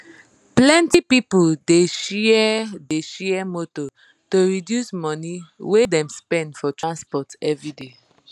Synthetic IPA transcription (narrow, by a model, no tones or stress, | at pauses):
plɛ̃ntipipuldeʃ | deʃɛɛmoto | toɹidjusmɔ̃niwedɛ̃mspɛ̃ndfɔtɹãnspɔtɛvɹide